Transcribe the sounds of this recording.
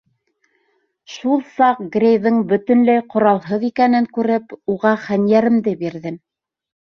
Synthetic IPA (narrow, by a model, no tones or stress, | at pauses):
ʃulˠsɑq̚ɡrʲejðɤŋbɵ̆t̪ɵ̆nlæjqŏɾɑlˠɦɤðikænɘŋkʉɾɘpuʁɑχænjæɾɘ̆md̪ɘbiɾðɘm